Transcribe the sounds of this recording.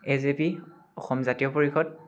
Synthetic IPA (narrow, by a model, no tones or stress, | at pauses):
ezepi | ɔxɔmzatijɔpoɹixɔd